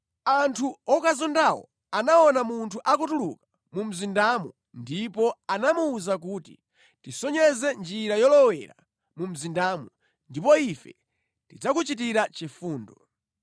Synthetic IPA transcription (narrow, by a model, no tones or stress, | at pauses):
antʰuɔkazɔndawɔ̰ | anaɔnamuntʰuʔakutuluka | mum̩zindamu | ndipɔanamuːzak̬uːtḭ | tisɔɲɛzɛnd͡ʒiɾajɔlɔwɛ̰ɾa̰ | mum̩zindaːmu | ndipɔifɛ̰ | tid͡zakut͡ʃit̬iɾat͡ʃifuːndɔ